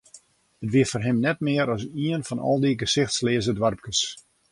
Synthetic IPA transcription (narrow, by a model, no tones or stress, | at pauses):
ətʋiəfɔrɦɪmnɛt̚mɪəɾɔsiənfɔnɔ̰lˠdiɡəsɪxtslɪəzədʋarp̚kəs